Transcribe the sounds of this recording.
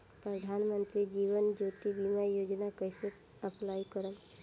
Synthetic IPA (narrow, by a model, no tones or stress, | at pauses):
pɾəd̪ʱanmə̃nt̪ɾid͡ʒiːʋənd͡ʒot̪ibimajoːd͡ʒnakəjse | əpʰlajkəɾən